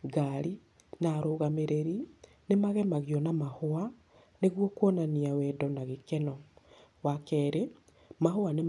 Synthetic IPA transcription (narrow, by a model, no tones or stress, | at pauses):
ɡaɾi | naɾoɣameɾeɾi | nemaɣɛmaɣjɔnamahoa | neɣwokonaniawɛdɔnaɣekɛnɔ | wakɛɾe | mahoane